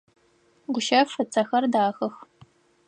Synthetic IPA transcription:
ɡʷʊʃɐfɨt͡sʰɐxɐrdaːxɐx

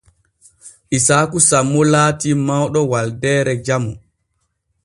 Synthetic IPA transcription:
ʔisaːkusamːɔlaːtimawɗɔwaldɛːɾɛd͡ʒamu

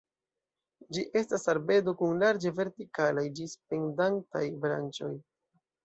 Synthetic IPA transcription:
d͡ʒiʔe̞stasalbe̞dokunlaɾd͡ʒeve̞ɾtikalajdisp̚e̞ndantajbɾa̰nt͡ʃo̞j

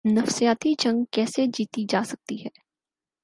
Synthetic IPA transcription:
nɐfsijaːt̪id͡ʒɐ̃ŋɡkɛːsed͡ʒiːt̪id͡ʒaːsɐk̚t̪iɦɛː

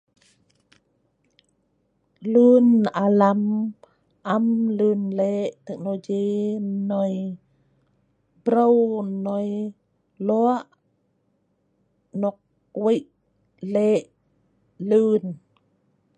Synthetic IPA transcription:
lunalam | ʔamlɯnleʔt̪ɛk̚noɡinɔj | bɾəwnɔj | lɔaʔ | nɔk̚ | wiʔ | leʔ | lun

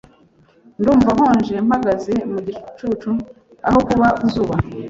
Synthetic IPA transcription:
nduːɱvaɦoːnʒe̞mhaɡazemuɟit͡ʃt͡ʃut͡ʃu | a̰ho̞kuβauzuːβa

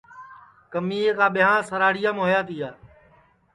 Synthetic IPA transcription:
kəmiːeːkãːɓɪjɦãːsəɾaːɽɪjãːmːɦojaːt̪iːaː

